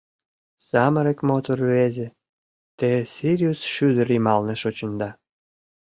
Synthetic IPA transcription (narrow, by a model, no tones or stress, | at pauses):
sɑməɾĕkmot̪orvezʲĕ | t̪esʲiɾʲiusʃyd̪ə̆ɾimɑlnĕʃot͡ɕə̆nd̪ɑ